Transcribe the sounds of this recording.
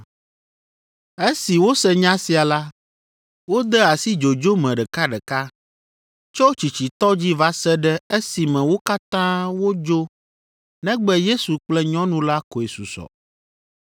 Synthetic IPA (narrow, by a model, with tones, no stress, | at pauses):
e˦si˨wo˦sɛ˦ɲã˦si˨a˨la˦ | wo˦d̪ɛ˦a˨si˦d͡ʒo˨d͡ʒo˦mɛ̃˨ɖɛ˨ka˦ɖɛ˨ka˦ | t͡ʃɔ˦wt͡ʃi˨t͡ɕi˨t̪ɔ˦d͡ʑi˦va˦sɛ˦ɖɛ˦e˦si˨mɛ̃˨wo˦ka˦t̪ã˦wo˦d͡ʒo˦ | nɛ̃˦ɡ͡bɛ˦je˦su˨k͡plɛ˦ɲɔ̃˦nũ˦la˦ko˨e˨su˨sɔ̰˨